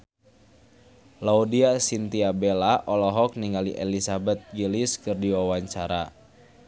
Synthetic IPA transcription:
laudiasint̪iabelaʔɔlɔɦɔk̚niŋɡalḭʔelisabɛt̪̚ɡiliskɨrdiwawaɲt͡ʃaɾa

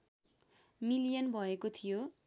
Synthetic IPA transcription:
milijʌnbʱʌekot̪ʰijo

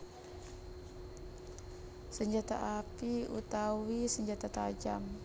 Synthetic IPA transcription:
səɲd͡ʒat̪a̰ʔapiṵt̪awisəɲd͡ʒat̪at̪ad͡ʒam

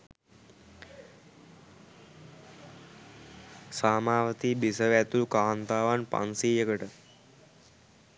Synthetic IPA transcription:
saːmaːʋət̪iːbisɐʋɛt̪ulukaːnt̪aːʋaːnpa̰nsiːjəkəʈə

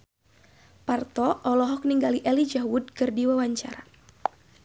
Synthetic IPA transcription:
part̪ɔʔɔlɔɦɔk̚niŋɡaliʔɛlid͡ʒaɦwud̚kɨrdiwawaɲt͡ʃa̰ɾa

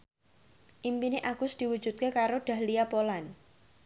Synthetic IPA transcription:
ʔimpineʔaɡ̥ʊsd̪̥i̤wu̥d͡ʒ̥ut̪̚kekaɾoɖ̥a̤hlijapolan

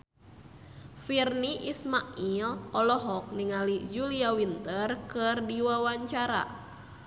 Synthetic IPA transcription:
firniʔismaʔilɔlɔɦɔk̚niŋalid͡ʒuliawint̪ərkɨrdiwawaɲt͡ʃaɾa̰

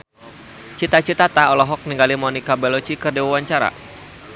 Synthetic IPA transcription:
t͡ʃit̪at͡ʃit̪at̪aɔlɔɦɔk̚niŋɡalimɔnikabɛlɔt͡ʃikɨrdiwawaɲt͡ʃaɾa̰

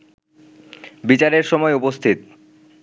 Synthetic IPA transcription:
bit͡ɕaɾeɾʃɔmɔeupost̪ʰit̪

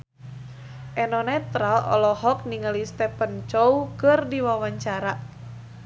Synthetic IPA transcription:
ʔɛnɔnɛt̪ɾalɔ̰lɔɦɔk̚niŋəlist̪ɛpənt͡ʃɔwkɨrdiwawaɲt͡ʃaɾa

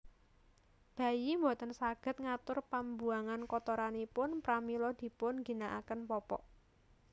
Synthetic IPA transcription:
b̥a̤jimbo̤t̪ənsaɡ̥ə̤t̪̚ŋat̪ʊrpambuaŋankɔt̪ɔɾanipʊnpɾamilɔd̪̥i̤pʊnɡi̤naʔa̰kənpɔpɔ̰ʔ

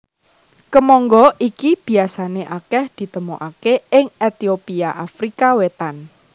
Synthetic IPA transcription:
kəmɔŋɡɔʔikib̥i̤asaneʔakɛhd̪̥i̤t̪əmuʔakeɪŋet̪iopiaʔafɾikawet̪an

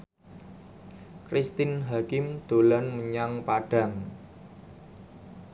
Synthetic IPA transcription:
kɾist̪ɪnɦakɪmd̪̥o̤lanməɲaŋpaɖ̥a̤ŋ

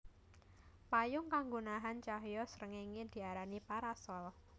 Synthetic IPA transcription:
pajʊŋkaŋɡunaɦant͡ʃaɦjɔsəɾəŋeŋed̪̥i̤aɾanipaɾasɔl

